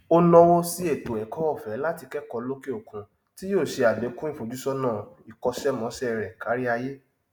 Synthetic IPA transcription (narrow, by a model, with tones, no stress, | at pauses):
o˦lɔ˦wo˦si˦e˦˨to˨ɛ˨˦kɔ˦ɔ˦˨fɛ˨˦la˦ti˧kɛ˦kɔ˧lo˦ke˦o˨kũ˨ | ti˦joː˦˨ʃe˧a˨be˨˦kũ˦i˦˨fo˨˦d͡ʒu˦sɔ˦nã˦˨ | i˨kɔ˧ʃɛ˦mɔ̃˨˦ʃɛ˦˨ɾɛ˨ka˨˦ɾi˦a˧je˦